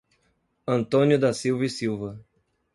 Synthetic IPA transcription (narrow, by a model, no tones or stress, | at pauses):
ɐ̃nt̪õnjʊd̪ɐsiwvisiwvɐ